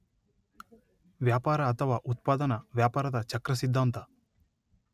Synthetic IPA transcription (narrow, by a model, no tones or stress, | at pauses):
ʋjaːpaːɾɐːt̪ʰɐʋaːʔut̪paːd̪ɐnɐʋjaːpaːɾɐd̪ɐt͡ʃɐkɾɐsid̪ʱːaːnt̪ɐ